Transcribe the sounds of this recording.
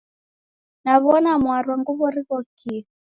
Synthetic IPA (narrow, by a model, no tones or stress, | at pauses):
naβɔnamwaɾwɔŋɡuβɔɾiɣɔki